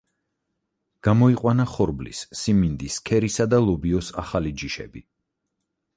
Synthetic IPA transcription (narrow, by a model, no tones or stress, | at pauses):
ɡ̥amɔiqʼwanaχɔɾblḭsːimind̪iskʰɛɾisad̪alˠɔbiɔsa̰χalid͡ʒiʃɛ̰bi